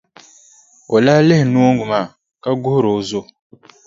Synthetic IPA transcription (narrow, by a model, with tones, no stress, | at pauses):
o˨laː˦lɪ˦hɪ˨nu˦ŋɡu˨maː˦˨ | ka˦ɡʊ˦hʊ˦ɾo˨˦zo˦˨